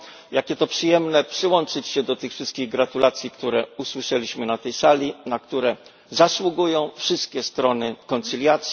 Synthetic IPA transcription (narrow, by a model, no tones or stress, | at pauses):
jakʲɛt̪ɔpʂɘjɛmnɛpʂɘwɔnt͡ʂɘt͡ɕɕɛd̪ɔt̪ɘxfʂɘst̪̚kʲiɣɡɾat̪ulat̪sʲjikt̪uɾɛuswɘʂɛlʲiɕmɘnat̪ɛjsalʲinakt̪uɾɛ | zaswuɡujɔ̃w̃fʂɘst̪̚kʲɛst̪ɾɔnɘkɔnt̪silʲjat̪sʲ